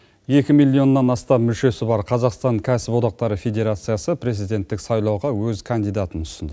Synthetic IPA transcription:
je̞kʲɪmilʲˠːio̞nːɑnɑst̪ɑpmʏlʃe̞sɪbɑɾqʰɑzɑqst̪ɑɴkʲʰæsɪpo̞d̪ɑq̚t̪ɑɾəfʲe̞d̪ʲe̞ɾat̪sɨjasəpʰɾe̞zijd̪e̞nt̪ːɪksɑjlˠɑwʁɑwɵzkʰand̪ijd̪ɑt̪ənʊsənd̪

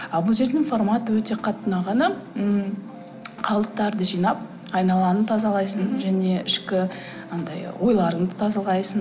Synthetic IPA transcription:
ɑlˠbəlˠʒe̞ɾd̪ɪŋfo̞rmat̪əwɵt̪e̞qʰɑt̪ːənɑʁɑnɑ | qʰɑlˠəq̚t̪ɑɾd̪əʒijnɑp̚ | ɑjnɑlˠɑnənt̪ʰɑzɑlˠɑjsənʒæne̞ɪʃkʲɪ | nɑnd̪ɑjwo̞jlˠɑɾənət̪ʰɑzɑlˠɑjsən

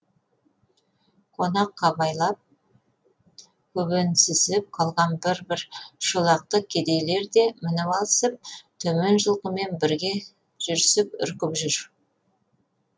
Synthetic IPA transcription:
qʰo̞nɑqʰːɑbɑjlˠɑp̚ | kʲʰɵbensɪzɪp̚qʰɑlˠʁɑnbɪɾbɪɾʃolˠɑq̚t̪əkʲʰed̪e̞jle̞ɾd̪e̞mɪnɪwɑlˠəsəp̚t̪ʰɵme̞nʒəlˠqəme̞nbɪɾɡʲe̞ | ʒ̥ʏɾsɪpʏ̰ɾkʲɪpʒʏɾ

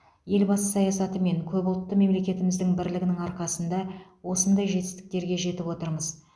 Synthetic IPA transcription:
je̞lbɑsəsɑjɑsɑt̪əme̞ŋkʲʰɵbʊlˠt̪ːəme̞mle̞kʲe̞t̪ɪmɪzd̪ɪŋbɪɾlɪɡʲɪnɪŋɑɾqɑsənd̪ɑwo̞sənd̪ɑjʒe̞t̪ɪ̥st̪ɪ̥k̚t̪e̞ɾɡʲe̞ʒe̞t̪ɪpwo̞t̪əɾməz

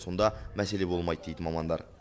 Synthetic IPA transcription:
so̞nd̪ɑmæselebolˠmɑjd̪̚d̪ejd̪ɘmɑmɑnd̪ɑ̰ɾ

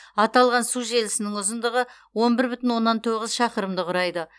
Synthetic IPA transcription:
ɑt̪ɑlˠʁɑnsuʒe̞lɪsɪnɪŋʊzənd̪əʁə | wo̞nbɪɾbʏt̪ɪnwo̞nːɑnt̪ʰo̞ʁəzʃɑqəɾəmd̪əqʰʊɾɑjd̪ə

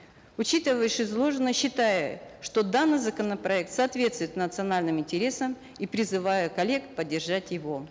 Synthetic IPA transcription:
ʊt͡ɕit̪ɨvəjɪʂɪzlˠo̞ʐɨnːəɕːɪt̪ajəʂt̪o̞d̪anːɨjzəkənəpɾɐɛk̚t̪sɐːt̪vʲe̞t̪st̪vʊjɪt̪nət̪sɨɐnalʲnɨmɪnʲtʲɪɾʲe̞səm | ipɾʲɪzɨvajʊkɐlʲːe̞kpədʲːɪrʐatʲjɪvo̞

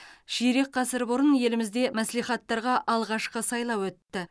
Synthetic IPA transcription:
ʒ̥iɾe̞k̚qʰɑsɪɾbʊɾənje̞lɪmɪzd̪e̞mæslijχɑt̪ːɑɾʁɑʔɑlˠʁɑʃqəsɑjlˠɑwɵt̪ːɪ

